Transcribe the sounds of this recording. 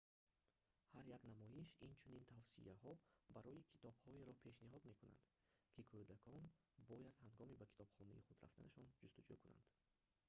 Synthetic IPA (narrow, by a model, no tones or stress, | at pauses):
haɾjaknamɔjiʃint͡ʃʰunint̪ʰavsḭʔahɔbaɾɔjikʰi̥t̪ɔb̥hɔeɾɔpʰe̞ʃniɦɔd̪me̞kuna̰nd̪̥ | kʰikʰud̪akʰɔn | bɔjad̪haŋɡɔmibakʰi̥t̪ʰɔbχɔnḭiχud̪ɾa̰ft̪a̰naʃɔnd͡ʒust̪ud͡ʒṵkʰuna̰nd̪̥